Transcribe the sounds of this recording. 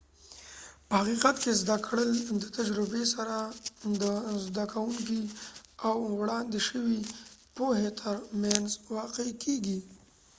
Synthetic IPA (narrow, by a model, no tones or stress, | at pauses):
pəhaqiqat̪kezd̪akɽəld̪ət̪ad͡ʒɾɪbesaɾad̪əzd̪akʰawuŋk̬iawːɽɑnd̪ɪʃəwipoɦet̪ʰəɾmjanzwɑqekʰeɡi